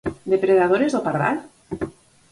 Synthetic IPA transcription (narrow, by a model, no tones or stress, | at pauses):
d̪epɾeðaðoɾezðopaɾða̰l